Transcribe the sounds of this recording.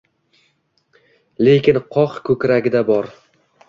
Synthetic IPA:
le̞kʲɪnqʰɒqkʰɵkʲɾaɡʲɪd̪abɒɾ

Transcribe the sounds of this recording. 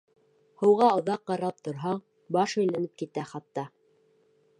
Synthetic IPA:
hɤ̆wʁɑŏðɑqːɑɾɑlˠp̚t̪ŏɾɦɑɴ | bɑʃɵ̆jlænɘp̚kit̪æχɑt̪ːɑ

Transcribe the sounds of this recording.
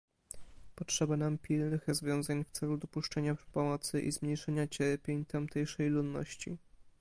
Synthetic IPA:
pɔtʂɛbanampʲilnɘxɾɔzvʲjɔ̃w̃zaɲft̪sɛlud̪ɔpuʂt͡ʂɛɲḁpɔmɔt̪sɘʔḭzmɲejʂɛɲat͡ɕɛɾpʲjeɲt̪amt̪ɛjʂɛjlud̪nːɔ̰ɕt͡ɕḭ

